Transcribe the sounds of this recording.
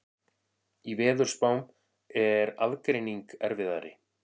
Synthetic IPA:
ivɛːðʏɾspawm | ɛɾaðkɾejniŋkɛɾvɪða̰ɾɪ̰

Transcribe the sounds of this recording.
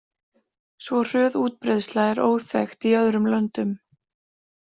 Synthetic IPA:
svɔr̥œːðuːt̪̚pɾeðst̪laɛɾʔo̰ːwθɛ̰xt̪iœðɾʏmlœnt̪ʏm

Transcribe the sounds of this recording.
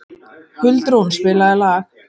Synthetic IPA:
hʏlt̪ɾownspɪːlaðɛla

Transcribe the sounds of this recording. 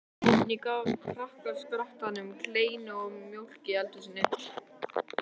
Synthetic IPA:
nikavkʰɾahkaskɾaht̪anːʏmkʰleːjnʏɔmjowl̥cɪɛlt̪ʏs̬inɪhtl̥

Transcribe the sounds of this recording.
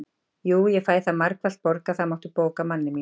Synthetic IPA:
juːjɛɣfaːjθamaɾkvalt̪̚pɔɾkaθaðmawht̪ʏpoːkamanːɪmi

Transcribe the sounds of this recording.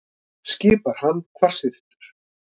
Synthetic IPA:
scɪːpaɾ̥hanːkʰvar̥sɪðɪht̪ʏ̥ɾ̥

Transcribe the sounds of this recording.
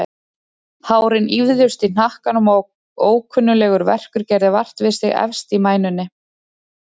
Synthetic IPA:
haːwɾɪnivðʏst̪in̥ahkanuma | oːwkʰœnːʏlɛːɣʏɾvɛ̰r̥kʏɾcɛɾðɪvar̥t̪vɪðsɪɣɛ̰fst̪imaːjnʏnːɪ

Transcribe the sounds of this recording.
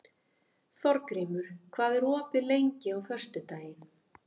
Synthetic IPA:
θɔɾkɾiːmʏɾ̥kʰvaːðɪɾɔːpɪlejɲcɪawfœrst̪ʏt̪aːjɪn

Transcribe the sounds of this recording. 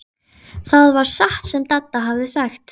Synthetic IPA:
θaðvaɾ̥saht̪sɛmt̪at̪ːaɦavðɪsaxt̪

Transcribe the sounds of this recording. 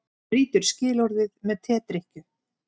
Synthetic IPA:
ɾiːt̪ʏɾ̥scɪːlɔɾðɪðmɛðt̪ʰɛːt̪ɾɪhcʏ

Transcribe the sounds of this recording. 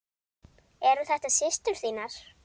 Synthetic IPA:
ɛɾʏθɛht̪asɪst̪ʏɾ̥siːnaɾ̥

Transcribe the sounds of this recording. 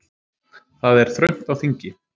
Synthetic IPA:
θaðɛɾ̥θɾœɥm̥t̪awθiɲcɪ

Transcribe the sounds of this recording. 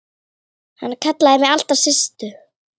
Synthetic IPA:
hanːkʰat̪laðɪmɪal̥t̪asɪst̪ʏ

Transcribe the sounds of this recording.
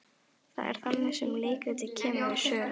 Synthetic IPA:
θa̰ðɛ̰ɾ̥θanːɪsɛmleːjkat̪ɪcʰɛːmaðɪsœːl

